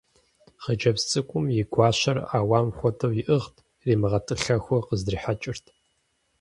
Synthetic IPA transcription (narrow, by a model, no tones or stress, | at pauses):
χəd͡ʒɐpst͡sʼɨkʷʼʊmjɪɡʷɑːɕɐra̰ːwaːmxʷɔtʰɐwjɪʔɨʁtʰ | riːmɨʁɐtʼɨɬɐxʷɔqəzdriːħat͡ʃʼɪrtʰ